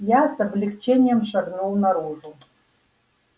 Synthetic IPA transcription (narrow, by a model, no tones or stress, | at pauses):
jasəblʲikt͡ɕenʲɪjəmʂɑɡnulˠnaɾuʐu